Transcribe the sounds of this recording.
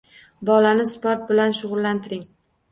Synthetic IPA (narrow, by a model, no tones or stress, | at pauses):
bɒlanɪspoɾt̪̚bɪlanʃʊʁʊlːant̪ʰɪɾɪŋ